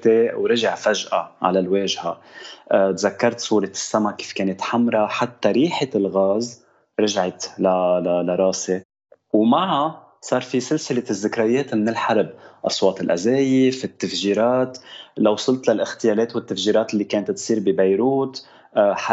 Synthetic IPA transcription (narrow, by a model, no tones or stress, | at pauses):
t̪ewɾɪʒaʕfaʒʔaʕa̰lalweːʒhaʔt̪zakːɑɾˤt̪sˤuːɾɑt̪sːamaki̥ːfkeːnɪt̪ħamɾˤɑħat̪ːaɾiːħɪlɣaːz | ɾˤɑʒʕɪt̪lalalaɾˤɑːse | wmaʕa | sˤɑːɾˤfisɪlsɪlɪzːɪkɾajeːt̪mɪnɪlħaɾˤbʔɑsˤwɑːt̪ɪlʔazeːjɪfɪt̪ːafʒiːɾɑːt̪lawːsˤʊlt̪lalʔɪxt̪ɪjaːleːt̪wɪt̪ːafʒiːɾˤɑːt̪ɪlːikeːnt̪t̪sˤiːɾbibajɾuːt̪ | ħa